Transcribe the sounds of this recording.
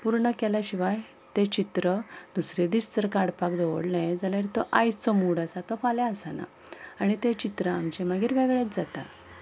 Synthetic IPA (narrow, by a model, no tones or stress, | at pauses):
puɾɳəkɛlaɕiʋaj | t̪et͡ɕit̪ɾəd̪usɾed̪ist͡səɾkaɽpakd̪oʋ̰ɽnẽd͡zaljaɾit̪ɔʔajt͡səmuɽasat̪ɔfaljaəsana̰ | aɽ̃it̪et͡ɕit̪ɾəamt͡ɕɛmaɡiːɾʋeɡɭet̪d͡zat̪a